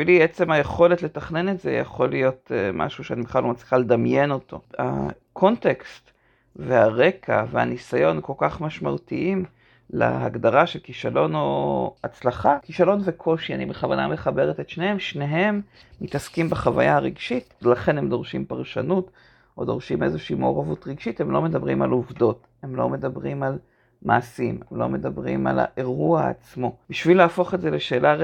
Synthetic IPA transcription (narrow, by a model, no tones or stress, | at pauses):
viliet͡se̞mhajeχo̞letle̞taχne̞netzḛja̰χo̞lijo̞tmʔa̰ʃuʃeanibeχlalomat͡sliχale̞d̪amje̞no̞to̞̰ha̰ | kʰo̞ntekst | veaʁe̞kʰa̰vea̰nisajo̞nko̞lkaχmaʃmautiim | la̰ha̰ɡdaʁaʃelkiʃalo̞no̞at͡slaχakiʃalo̞nvekʰo̞ʃia̰nimeχavana̰meχabeʁetetʃnehemʃne̞ɦe̞mː | itaskimbaχava̰jaaʁeɡʃitlaχe̞nemdo̞ʁʃimpaʁʃa̰nut | o̞̰d̪o̞̰ʁʃimezeʃeimeoʁavutʁiɡʃithemlo̞me̞dabʁima̰luvdo̞t | he̞mlo̞̰me̞dabʁimal | ma̰ːsimemlo̞̰me̞dabʁḭma̰la̰ʔe̞ʁua̰ːt͡smo̞b̥iʃvileːfo̞χezeleʃe̞ːlʔa